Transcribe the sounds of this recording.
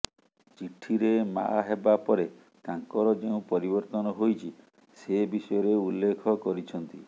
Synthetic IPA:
t͡ʃiʈʰiɾema̰ɦebapɔɾe | t̪aŋkɔɾɔd͡ʒeũpɔɾibɔɾt̪ɔnɔɦojt͡ʃʰi | sebisɔjɔɾeulːekʰɔkɔɾit͡ʃʰɔnt̪i

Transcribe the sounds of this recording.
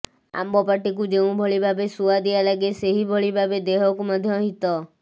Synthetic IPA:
a̰mbɔpaʈik̬ud͡ʒeũbʱɔɭibʱabesuad̪ijalaɡeseɦibʱɔɭibʱabed̪eɦɔkumɔd̪ʱjɔɦit̪ɔ

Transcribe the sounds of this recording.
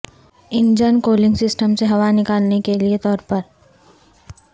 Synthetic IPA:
ɪ̃nd͡ʒənkoːlɪ̃ŋɡsɪsʈəmseɦɐʋanɪkaːlnekeliet̪ɔːɾpəɾ

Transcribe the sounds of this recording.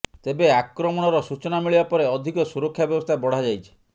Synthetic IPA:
t̪ebeakɾɔmɔɽ̃ɔɾɔsut͡ʃɔnamiɭibapɔɾeɔd̪ʱikɔsuɾɔkʰːjabjɔbɔst̪ʰabɔɽ̤ad͡ʒajt͡ʃʰi̥

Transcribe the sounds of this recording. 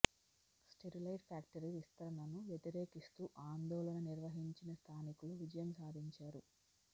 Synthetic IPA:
sʈeɾilɐjɖpʰaːk̚ʈɐɾiɾist̪ʰɐɾɐnɐnuʋjet̪iɾe̞ːkist̪uːʔaːnd̪ɔːlɐnɐniɾʋɐɦiɲt͡ʃinɐst̪ʰaːnikuluʋid͡ʒɐjɐmsaːd̪ʱiɲt͡ʃaːɾu

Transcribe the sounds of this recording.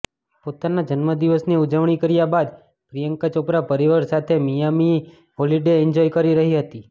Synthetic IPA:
pot̪anad͡ʒənməd̪iʋəsniud͡ʒəʋɳ̃ikəɾjabad̪ | pɾijəŋkat͡ʃopɾapəɾiʋəɾsat̪ʰemijami | ɦoliɖeɪɲd͡ʒɔjkəɾiɾəɦiɦət̪i

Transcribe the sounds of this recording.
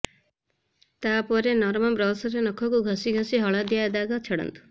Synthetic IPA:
t̪apɔɾenɔɾmɔbɾɔsɔɾenɔkʰɔkuɡʱɔsiɡʱɔsiɦɔɭad̪jad̪aɡɔt͡ʃʰeɽɔ̰nt̪u̥

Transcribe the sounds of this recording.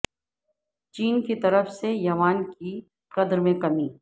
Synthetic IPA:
t͡ʃiːnkit̪ɐɾəfsejɐʋaːnki | qɐd̪ɾmẽkɐmiː

